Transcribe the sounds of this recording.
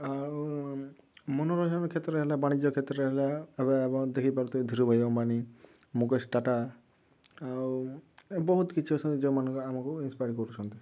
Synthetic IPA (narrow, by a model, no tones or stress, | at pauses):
aɾ | mɔnɔɾɔd͡ʒɔnkʰet̪ɾɔɦelabaɽ̃id͡ʒɔkʰet̪ɾɔɔɦelaebeebɔŋd̪ekʰipaɾut̪ɔd̪ʱiɾubʱajkɔmpani | mukesʈaʈa | a | bɔɦut̪kit͡ʃʰiɔt͡ʃʰɔnid͡ʒemanɔ̃ŋkeamakuinspajɾkɔɾut͡ʃʰɔnt̪i